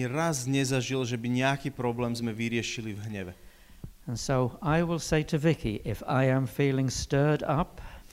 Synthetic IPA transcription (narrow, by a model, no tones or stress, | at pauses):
ɾazɲɛzaʒilʒɛbiɲɛakiːpɾɔblɛːmzmɛʋiɾɪɛʃilivɦɲɛʋɛ | ə̃nsoʊaɪwɪlˠseɪɾʰɨvɪkʰḭʔɪfa̰ɪɨ̃ɱfiːlˠɪ̃ŋstɜ˞ɾʌp